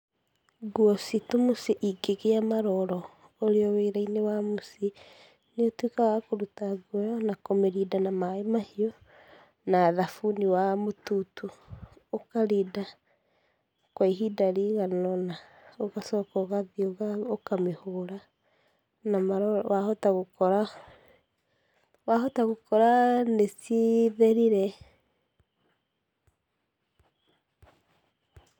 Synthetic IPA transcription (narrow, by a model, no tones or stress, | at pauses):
ɡwɔsitomosiʔiɡeɣeamaɾɔɾɔ | oɾeɔweːɾainewamusi | neotwikawakoɾutaɡwɔjɔnakomeɾidanamaemahiɔ | naːðafuniwamotutuokaɾida | kwaiɦidaɾiɣanɔnaoɣasɔkɔɣaðioɣaokamehoːɾa | namaɾɔwahotaɣokɔɾa | waɦotaɣokɔɾaneseðeɾiɾɛ